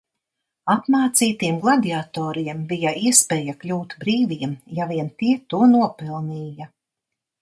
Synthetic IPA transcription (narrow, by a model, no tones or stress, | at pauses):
apmaːt̪siːt̪iɛmɡlˠad̪ʲiat̪ɔːɾiɛmbijaʔiɛspɛːjaklʲuːt̪bɾiːviɛmjaviɛnt̪iɛt̪uɔnuɔpilˠniːja